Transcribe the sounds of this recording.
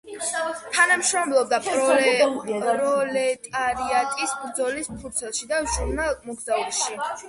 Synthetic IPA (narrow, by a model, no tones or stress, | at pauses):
t̪ʰanamʃɾɔmlˠɔb̚d̪apʼɾɔ | ɾɔlɛt̪ʼaɾiat̪ʼisbɾd̪zɔlispʰuɾt̪sʰɛlˠʃid̪aʒuɾnalˠmɔɡzauʃi